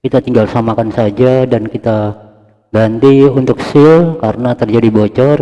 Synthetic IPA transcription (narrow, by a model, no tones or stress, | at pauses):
kit̪at̪iŋɡalsamakansad͡ʒadankit̪a | ɡant̪iunt̪ʊksɪlkarənat̪ərd͡ʒadibot͡ʃɔr